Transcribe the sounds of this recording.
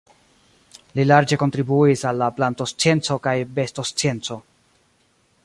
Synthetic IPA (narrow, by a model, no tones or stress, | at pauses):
lilaɾd͡ʒe̞ko̞ntɾibuisalːaplanto̞st͡sije̞nt͡so̞kajbe̞sto̞st͡sje̞nt͡so̞